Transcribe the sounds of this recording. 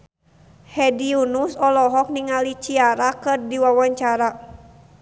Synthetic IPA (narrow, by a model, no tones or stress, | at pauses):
hɛdiunusɔlɔɦɔk̚niŋalit͡ʃiaɾakɨrdiwawaɲt͡ʃaɾa